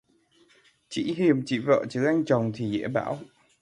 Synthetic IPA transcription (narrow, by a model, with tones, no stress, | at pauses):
t͡ɕḭ˧˥ɦi˨˩əmt͡ɕḭ˧˩və̰ː˧˨t͡ɕɨ˨˦ʔa˧jŋ̟t͡ɕə˨˩wŋ͡mt̪ʰi˨˩ɣɛ̰˧˥əɓa̰ː˧˥˦w